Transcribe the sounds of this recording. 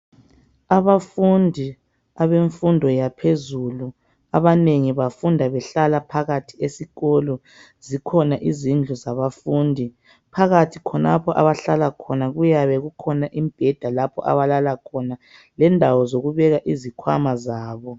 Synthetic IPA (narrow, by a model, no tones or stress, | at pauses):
aβafundʱi | aβeɱfundʱɔjapʰezulu | aβaneŋiβafundʱaβɛɬalapʰaɣatʰiesiɣɔlɔ | zikʰɔnaʔizind͡ɮʱuzaβafuːndʱi | pʰaɣatʰikʰɔnapʰɔʔa̰βaɬalakʰɔnaɣujaβɛɣukʰɔnaʔimb̥ʱɛd̥ʱalapʰɔ̰ʔa̰βalalakʰɔna | lɛndʱawɔzoɣuβɛɣaʔizikʰwa̰mazaːβɔ